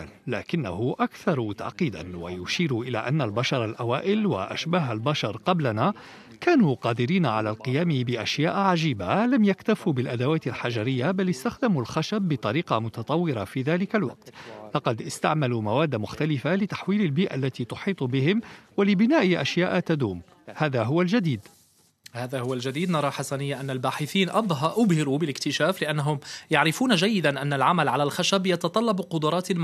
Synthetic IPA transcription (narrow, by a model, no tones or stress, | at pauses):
la̰ːkɪnːa̰ɦʊʔakθɑɾˤt̪a̰ʕqiːd̪a̰nwa̰jʊʃiːɾʊʔɪla̰ːʔanːalbaʃɑɾˤalʔawaːʔɪlwa̰ʔa̰ʃbaːɦalbaʃɑɾˤqɑblanaː | kaːnuːqɑːd̪ɪɾiːnaʕalaːlqɨjaːmɪbɪʔaʃjaːʔʕaʒiːbalamjakt̪afubɪlʔad̪awaːt̪alħaʒaɾɪjːabalɪst̪axd̪amulxaʃabːɪt̪ˤɑɾiːqɑmʊt̪ɑt̪ˤɑwːɪɾafiːðaːlɪkalwɑ̰q̚t̪lɑqɑd̪ʔɪst̪aʕmaluːmawaːd̪ːamʊxt̪alɪfalɪt̪ḁħwiːlalbiːʔa̰lːat̪iːt̪ʊħiːt̪ˤbɪhɪmwalɪbɪnaːʔɪʔaʃjaːʔt̪ad̪uːm | haːðaɦʊwald͡ʒad̪iːd̪ | haːðahʊwald͡ʒad̪iːd̪nɑɾˤɑːħasanɪjːaʔanːalbaːħɪθiːnʔɑbˤɦʔʊbhɪɾubɪlɪkt̪ɪʃaːflɪʔanːaɦʊmjaʕɾɪfuːnd͡ʒajːɪd̪anʔanːalʕamalʕalalxaʃabjɑt̪ɑt̪ˤɑlːɑbqʊd̪ʊɾˤɑːt̪